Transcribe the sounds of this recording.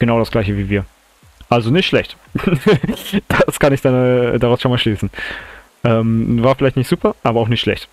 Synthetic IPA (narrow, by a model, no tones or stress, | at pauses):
ɡ̥ənaʊɾasɡ̥laɪçəviːviːɐ | ʔalzonɪçtʃlɛçt | d̥askʰanɪçd̥andaʁaʊsʃonmaːlʃliːsn̩ | ʔɛːmvaːɐfɪlaɪçtnɪçtz̥uːpʰɐʔaːbɐaʊxnɪçtʃlɛ̰çt